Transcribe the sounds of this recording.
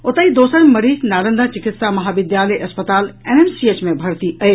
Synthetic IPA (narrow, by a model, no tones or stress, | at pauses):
ʊt̪aid̪oːsənmɐɾiːznaːɾə̃nd̪at͡ɕɪkɪt̪samɐɦaːbɪd̪jaːleʔɐspət̪aːleːnensiet͡ɕmẽbʱɐɾt̪iɐeː